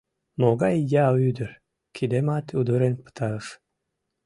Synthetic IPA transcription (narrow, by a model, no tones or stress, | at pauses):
moɣɑjjɑyd̪əɾ | kʰid̪emɑt̪ud̪əɾenpɨ̥t̪ʰɑəʃ